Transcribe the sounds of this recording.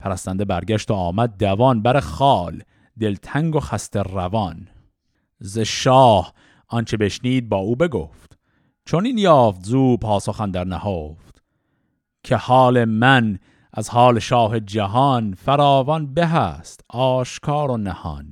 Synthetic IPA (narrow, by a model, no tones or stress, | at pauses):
pʰæɾæst̪ænd̪ebæɾɡʲæʃt̪oɒːmæd̪̚d̪ævɒnbæɾeχɒːl | d̪e̞lt̪ʰæŋɡoxæst̪erævɒn | zeʃɒːh | ʔɒnt͡ʃʰebe̞ʃniːd̪̚bɒːuːbe̞ɡoft̪ | t͡ʃʰoniːnjɑːft̪zuːpʰɒːsoχænd̪æɾnæhoːft̪ | kʰehɒːlemæn | ʔæzhɒːleʃɒːɦe̞d͡ʒæɦɒnfæɾɒːvɒnbeɦæːst̪ɒːʃkʰɑːɾonæhɒ̰n